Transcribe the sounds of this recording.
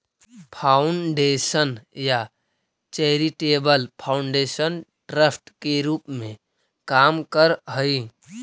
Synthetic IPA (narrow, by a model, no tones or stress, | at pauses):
pʰaːʊɳɖeːsənja | t͡ʃeɦɾiʈeːbəlpʰaːʊɳɖeːsən | ɖɾəpʰʈkeɾuːpmẽ | kaːmkəɾɦəi